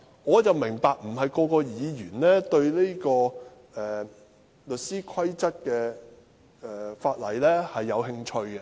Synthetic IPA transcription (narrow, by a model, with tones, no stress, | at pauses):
ŋɔː˨˧t͡sɐ˨wmɪ˨˩ŋpaː˨k̚m̩˨˩ɦɐ˨jkɔː˧kɔː˧jiː˨˧jyː˨˩nlɛː˥t̪ɵ˧ɥle˥kɔː˧ | ɛː˨ | lɵ˨t̚siː˥kʰɐ˥jt͡sɐ˥t̚kɛː˧ | ɛː˨˩faː˧t̚lɐ̰˨˩jlɛː˥hɐ˨jːɐ˨˧whɪ˧ŋt͡ʃʰɵ˧ɥkɛ˧